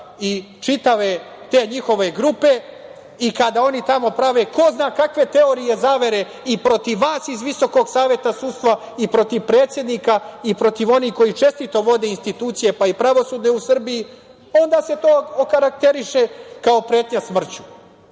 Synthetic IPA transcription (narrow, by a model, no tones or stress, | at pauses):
i | t͡ʃit̪aʋe | t̪e̞ːɲixo̞ʋe̞ɡɾupe̞ | ikad̪ao̞nit̪amo̞pɾaʋe̞ko̞znaːkakʋe̞t̪e̞o̞ɾije̞zaːʋe̞ɾe̞ | ipɾo̞t̪iʋːaːsizʋiso̞ko̞ɡsaːʋje̞t̪asuːst̪ʋa | ipɾo̞t̪iʋpɾe̞ːt̪sje̞d̪niːkaipɾo̞t̪iʋo̞nihko̞jit͡ʃe̞st̪it̪o̞ʋo̞d̪e̞inst̪it̪uːt̪sije̞paipɾaʋo̞suːd̪ne̞usr̩biji | o̞nd̪aːse̞t̪oːokaɾak̚t̪e̞ɾiʃe̞kao̞pɾe̞ːt̪ɲasmr̩t͡ɕu̥